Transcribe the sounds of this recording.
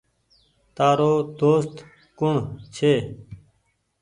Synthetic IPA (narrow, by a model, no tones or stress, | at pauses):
t̪aːɾoːd̪oːst̪ | kʊɳt͡ʃʰeː